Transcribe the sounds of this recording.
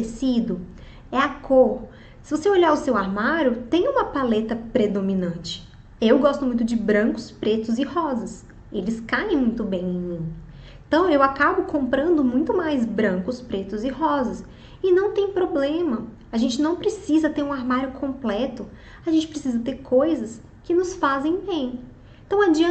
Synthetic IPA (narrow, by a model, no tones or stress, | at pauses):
esid̪ʊ | ɛakoɾ | sɪvoseoʎaɾʊsewaɾmaɾjʊt̪ẽj̃ũmɐpalet̪ɐpɾed̪omĩnɐ̃nt͡ʃɪ̥ | ewɡɔst̪ʊmũj̃t̪ʊd͡ʒɪbɾɐ̃kʊ̥spɾet̪ʊzɪhɔzɐs | elɪskaẽj̃mũj̃t̪ʊbẽj̃ẽj̃mĩ | ẽt̪ɐ̃w̃ewakabʊkʰõmpɾɐ̃nd̪ʊmũj̃t̪ʊmajzbɾɐ̃kʊspɾet̪ʊzɪɦɔzɐs | ɪnɐ̃w̃t̪ẽj̃pɾoblẽmɐ | aʒẽnt͡ʃɪnɐ̃w̃pɾesizɐt̪eɾũaɾmaɾjʊkʰõmplɛt̪ʊ | aʒẽnt͡ʃɪpɾesizɐt̪eɾkʰojzɐs | kɪnʊsfazẽj̃bẽj̃ | ẽt̪ɐ̃w̃ad͡ʒĩ